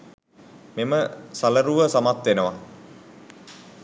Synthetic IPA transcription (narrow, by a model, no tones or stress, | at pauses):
meməsaləɾuʋəsamat̪ʋenəʋa